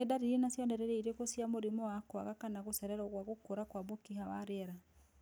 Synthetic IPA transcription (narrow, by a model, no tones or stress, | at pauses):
edaɾiɾenasjɔndɛɾɛɾeiɾekosiamoɾimɔwakwa̰ɣakanaɣosɛɾɛɾaoɣwaɣokoɾakwabokihawaɾeɛɾa